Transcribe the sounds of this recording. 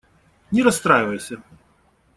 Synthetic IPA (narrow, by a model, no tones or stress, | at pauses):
nʲɛɾɐst̪ɾajvɐjusʲɐ